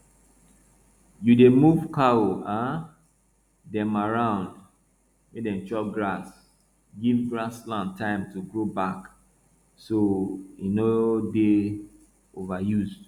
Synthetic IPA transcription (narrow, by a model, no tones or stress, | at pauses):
judemuvkʰaoa | dɛ̃maɹãʊ̃nd | medɛ̃mt͡ʃɔk̚ɡɹas | ɡivɡɹaslãntʰːãɪ̃mtuɡɹobak | soinode | ovajuz